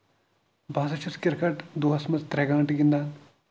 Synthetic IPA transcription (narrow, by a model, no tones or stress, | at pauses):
bʱaːsɐt͡ʃʰɐskɪɾkɐʈd̪uɦɐsmɐzt̪ɾɛɡãːʈiɡind̪aːn